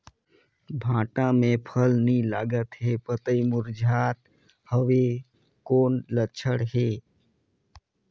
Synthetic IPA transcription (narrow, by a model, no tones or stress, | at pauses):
bʱãːʈãmẽpʰəlnĩlaːɡət̪ɦeːpət̪əimʊɾd͡ʒʱaːt̪̚ | həʋe | koːnlət͡ʃʰəɽɦeː